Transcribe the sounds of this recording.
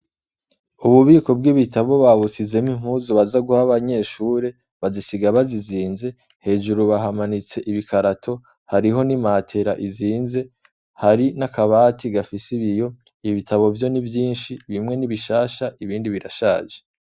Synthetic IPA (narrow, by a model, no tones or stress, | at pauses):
uβuβiːko̞bɡiβitaβo̞βaβut͡sizemiŋ̥huzoβazaɡuhaβaɲe̞ːʃuːɾe̞ | βazisiɡaβaziziːnze̞ | he̞ːʒuɾuβaɦamanit͡se̞ʔiβikaɾatʰo̞ | haɾiɦo̞nimatʰe̞ɾaʔiziːnze̞ | haɾinakaβaːtʰiɡafisiβijo̞ | iβitʰaβo̞vjo̞nivjiːnʃiβimŋe̞niβiʃaːʃaʔiβiːndiβiɾaʃaːʒe